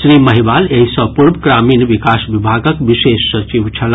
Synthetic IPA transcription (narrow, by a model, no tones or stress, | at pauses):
sɾiməɦibaleɦisə̃puɾbkɾamiːnʋikasbibʱaɡəkʋisesːət͡ʃiʋt͡ʃʰɐl